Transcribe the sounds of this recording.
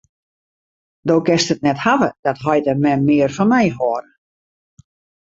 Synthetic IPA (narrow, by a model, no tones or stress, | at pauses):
doːkɪstət̚nɛthavəd̥ɔtɦɔjtəmɛnmɪərfɔnmɛjɦoəɾə